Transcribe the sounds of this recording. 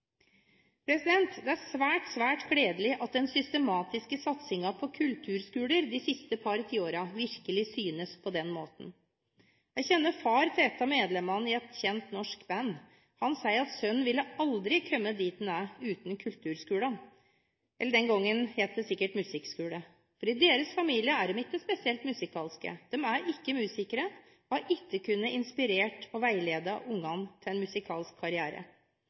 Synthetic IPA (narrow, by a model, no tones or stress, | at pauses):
pʰɾɛsɪd̪ɛnt̪d̪ɛæɾsʋæːʈsʋæːʈkʰɽeːd̪əlɪʔɑt̪̚d̪ɛnsʏst̪əmɑːt̪ɪskəsɑt̪sɪŋɑpʰɔkʰʉlt̪ʰʉːɾskʉːləɾd̪ɪsɪst̪əpʰɑɾət̪ʰiːoːɾɑʋɪɾkəlɪsyːnəspʰɔd̪ɛnmoːt̪n̩ | æɪçɛnːəfɑːɾt̪ʰeːt̪ɑmeːd̪lɛmɑnɪɛt̪çɛnt̪nɔʂkbænː | hɑnsæɪɾɑt̪sœnːʋɪlːəɑld̪ɾɪkʰœmːəd̪iːt̪n̩æʉːt̪nkʰʉlt̪ʰʉːɾskʉːlɑn | ʔɛlːəɖɛnɡɔŋːənheːt̪̚d̪ɛsɪkːəʈmʉsɪkskʉːɽə | fɔɾɪd̪eːɾəsfɑmiːlɪəæɖɛmɪkkːəspɛsɪɛlt̪mʉsɪkʰɑːlskə̰d̪̥ɛmæɾɪkːəmʉːsɪkːəɾə | ɔhɑɾʔɪkːəkʰʉnːəʔɪnspɪɾeːʈɔʋæɪleːd̪ɑʔʊŋːɑnt̪ʰɪlɛnmʉsɪkʰɑ̰ːlskʰːɑɾɪæːɾə̰